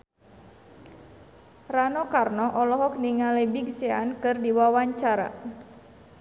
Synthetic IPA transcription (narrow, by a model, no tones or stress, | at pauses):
ranɔkarnɔʔɔlɔɦɔk̚niŋalebiɡseankɨrdiwawaɲt͡ʃaɾa̰